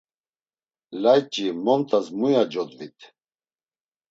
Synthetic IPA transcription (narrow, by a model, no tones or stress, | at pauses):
lajt͡ʃʼimɔnt̪ʼasmujad͡ʒɔd̪vit̪ʼʰ